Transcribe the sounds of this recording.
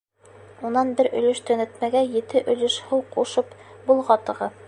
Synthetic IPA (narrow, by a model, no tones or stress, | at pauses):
unɑnbɘɾɵ̆lɵʃt̪ɵ̆nɘt̪mæɡæjɘ̆t̪ɘʔɵ̆lɘʃhɤwquʃɤpbulˠʁɑt̪ɤ̆ʁɤ